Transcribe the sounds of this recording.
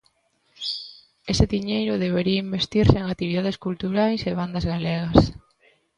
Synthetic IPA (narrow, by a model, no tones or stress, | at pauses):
esɪðiɲejɾʊðeβ̞eɾiɐimbest̪iɾseeŋat̪iβ̞iðað̞eskult̪uɾajseβ̞and̪ɐzɣaleɣɐs